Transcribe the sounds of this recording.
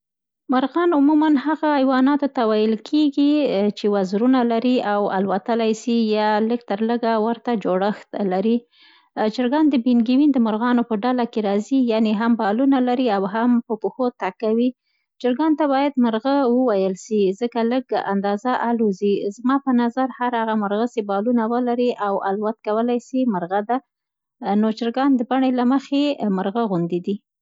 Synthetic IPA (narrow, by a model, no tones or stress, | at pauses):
mʊɾɣɑnʊmumanhaɣaːjwɑnɑt̪ot̪awajəlkʰeɡit͡ʃewazɾunalaɾiawa̰lwat̪əlajsijɑləɡ̚t̪əɾləɡawəɾt̪ad͡ʒoɽəxt̪laɾi | d͡ʒəɾɡɑnd̪əbinɡiwind̪əmʊɾɣɑnopəɖalakeɾɑzijaneɦambɑlunalaɾiawɦampəpəxot̪akawi | t͡ʃɪɾɡɑnt̪aβɑjad̪məɾɣəwəwajəlsizəkaləɡa̰nd̪ɑzaʔaluzizmɑpənazaɾhaɾaɣaməɾɣəsebɑlunawəlaɾiʔawalwat̪̚kawəlajsiməɾɣad̪a | not͡ʃɪɾɡɑnd̪əbaɳelaməxeməɾɣaɣund̪id̪i